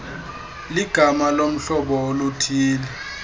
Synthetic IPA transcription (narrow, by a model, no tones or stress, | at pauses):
liɡ̥ʱamalom̩ɬɔɓɔolutʰiːlɛ